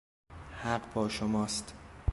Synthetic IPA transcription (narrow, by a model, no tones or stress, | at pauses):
hæɢbɒːʃomɒːst̪